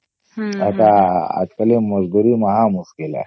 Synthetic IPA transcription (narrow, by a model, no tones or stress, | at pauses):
ɐt̪aɐ̰t̪kɐlimːɐzd̪uɾimɐɦaːmuskila̰